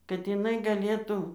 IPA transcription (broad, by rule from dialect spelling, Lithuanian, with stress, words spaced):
kɐt jɪˈnɐɪ ɡɐˈlʲeːtʊ